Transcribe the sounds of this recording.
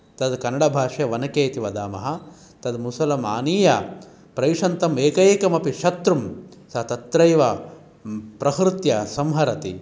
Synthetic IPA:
t̪ɐd̪kɐnɐɽɐbʱaːʂjɐʋɐnɐkeːt̪iʋɐd̪aːmɐɦɐ | t̪ɐd̪musɐlɐma̰ːniːjɐ | pɾɐjʂɐnt̪ɐmeːkɐjeːkɐmɐpiʃɐt̪ɾumsɐɦɐt̪ɐt̪ɾɐjʋɐ | pɾɐkɾut̪jɐsɐmɦɐɾɐt̪i

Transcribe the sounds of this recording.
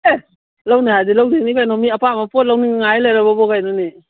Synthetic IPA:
e | lawnihajdilawdenikajnɔmiɐpamapɔt̚lawniŋŋajlajɾababɔɡajnɔni

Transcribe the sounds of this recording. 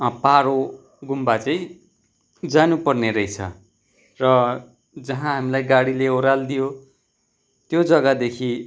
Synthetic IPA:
ʌpaɾo | ɡumbat͡sʌĩ | d͡zanupʌrneɾʌjt͡sʰʌ̰ | rʌ | d͡zʌɦãɦamilajɡaɽileoɾald̪ijo | t̪jod͡zʌɡad̪ekʰi

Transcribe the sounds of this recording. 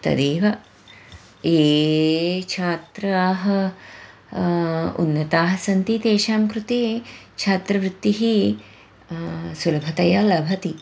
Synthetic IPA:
t̪ɐ̰d̪eːʋɐ | eː | t͡ʃʰaːt̪ɾɐaːɦɐ | ṵnːɐt̪aːɦɐsɐnt̪it̪eːʃaːmkɾut̪eːt͡ʃʰaːt̪ɾɐʋɾut̪ːiɦi | sulɐbʱɐt̪ɐjɐlɐbʱɐt̪i

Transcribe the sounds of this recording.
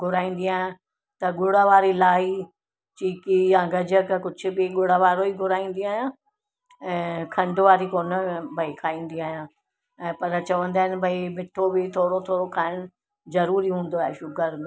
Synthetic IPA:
ɡʱʊɾaːĩːnd̪iaːɦjã | t̪ɐɠʊɽaʋaːɾilaːɦi | t͡ɕiːkijãɡɐd͡ʑəkkʊd͡ʑʱʊ̆bɪɠʊɽaʋaːɾoiɡʱʊɾaːĩːn̆d̪iaːɦijãː | ɛ̃ːkʰɐ̃ɳɖʋaːɾikoːnbʱɐikʰaːĩːn̆d̪iaːɦjã | ɛ̃ːpɐɾt͡ɕɐʋə̃nd̪aːɦɪnɪ̆bʱɐimɪʈʰobɪt̪ʰoːɽot̪ʰoːɽokʰaːɦɪɽʊ | zɐɾuːɾiɦũːn̆d̪oaːɦeʃʊɡəɾmẽ

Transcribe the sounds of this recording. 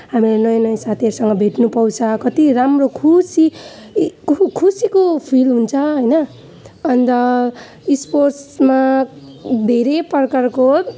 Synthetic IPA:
ɦamilenʌj̃nʌj̃sat̪ʰeɾsʌŋɡʌbʱeʈnupʌw̃t͡sʰʌkʌt̪iɾamrokʰusi | kkʰusikopʰilɦunt͡sʰʌɦʌjnʌː | nt̪ʌ | isporsma | d̪ʱeɾepʌrkarko

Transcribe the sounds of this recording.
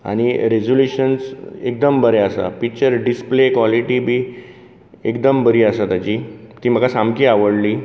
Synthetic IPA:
a̰ɽ̃iɾed͡zoljuɕənsek̚d̪əmbəɾeəsa̰pik̚t͡ɕəɾɖisplekʋaliʈibʱiː | ekd̪əmbəɾiːəsat̪at͡ɕi | t̪iːm̤əɡasamkiːaʋəɽliː

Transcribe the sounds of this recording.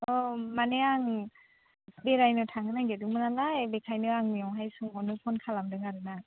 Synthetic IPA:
ɔmaneaŋ | beɾajnɯtʰaŋɡɯnaɡedɯŋmɯnalaebekʰajnɯaŋmijɔŋɦajsuŋɔnɯpʰɔnkʰalamdɯŋaɾɯna

